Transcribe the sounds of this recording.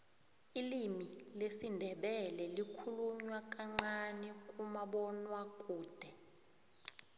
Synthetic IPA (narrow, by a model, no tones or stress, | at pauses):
ilimilesindʱɛɓɛlɛlikʰuluɲwak̬ʼaŋ͡ǀanɛkʼumaɓɔnwakʼuːd̥ʱɛ